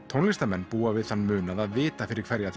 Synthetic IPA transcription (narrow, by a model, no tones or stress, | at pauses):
t̪ʰownlɪst̪amɛnːpuːavɪðθanːmʏːnaðaðvɪːt̪afɪɾɪɾ̥kʰvɛɾjaθ